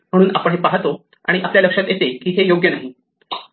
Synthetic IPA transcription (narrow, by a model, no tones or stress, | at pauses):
m̤əɽ̃uːnapəɳ̃ɦepaɦt̪o | a̰ɽ̃iʔapljaləkʂat̪jet̪ekiːɦejoɡjənaɦi